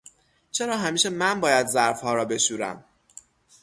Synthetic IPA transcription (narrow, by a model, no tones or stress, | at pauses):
t͡ʃʰe̞ɾɒːɦæmiːʃemænbɒːjæd̪zæɾfhɒːɾɒːbe̞ʃuːɾæ̰m